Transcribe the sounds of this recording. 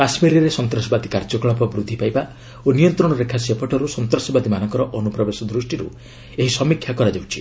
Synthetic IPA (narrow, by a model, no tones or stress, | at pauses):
kasmiɾiɾesɔnt̪ɾɔsɔbad̪ikaɾd͡ʒɔkɔɭɔpɔbɾud̪ʱːipajba | onijɔnt̪ɾɔɽ̃ɔɾekʰasiɔpʰɔʈʰɔɾusɔnt̪ɾɔsɔbad̪imanɔŋkɔɾɔʔɔnupɾɔbesɔd̪ɾusʈiɾṵ | eɦisɔmikʰːjakɔɾad͡ʒawt͡ʃʰi̥